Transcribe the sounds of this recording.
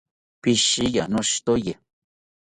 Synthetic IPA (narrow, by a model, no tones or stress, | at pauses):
pɪʃɪjanoʃt̪oje